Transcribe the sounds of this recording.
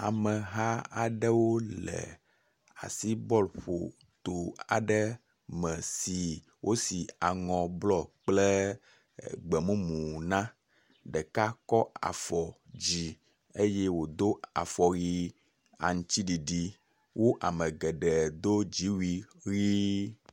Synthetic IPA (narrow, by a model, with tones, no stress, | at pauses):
a˨mɛ˨ɦa˦a˨ɖɛ˦wo˦lɛ̰˨ | a̰˨si˦bɔ˦lɸo̰˨ | t̪o˨a̰˨ɖɛ˦ | mɛ̃˨si˨ | wʔo˦si˨a˨ŋɔ̃˨blɔ˦k͡plɛ˦ | ɡ͡bɛ˨mũ˦mũ˨nã˦ | ɖɛ˨ka˦kɔ˦a̰˨fɔ˨d͡ʑi˨ | e˦je˦wo˨d̪o˦a̰˨fɔ˨ɣi˦ | a̰˨ŋũ˦t͡ɕi˦ɖi˨ɖi˨ | wo˦ʔa˨mɛ̃˨ɡɛ˨ɖɛ˨d̪o˦d͡ʑi˨˦wi˦ɣi˦